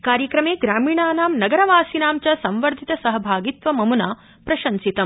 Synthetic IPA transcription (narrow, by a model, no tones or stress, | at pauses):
kaːɾjɐkɾɐmeːɡɾaːmiːɳaːnaːmnɐɡɐɾɐʋaːsinaːmt͡ʃɐsɐ̃mʋɐɾd̪ʱit̪ɐsɐɦɐbʱaːɡit̪ʋɐmɐmunaː | pɾɐʃɐnsit̪ɐm